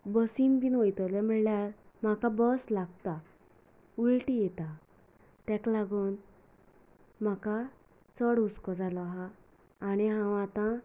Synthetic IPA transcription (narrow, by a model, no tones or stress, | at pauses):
bəsinpinʋɔjt̪ɔlɛm̤əɭljaɾ | m̤akabɔslaɡ̚t̪a | ulʈijɛt̪a | t̪ɛ̃klaɡuːn | m̤aka | t͡səɽuskɔd͡zalɔɦaː | ñiɦãʋãt̪ã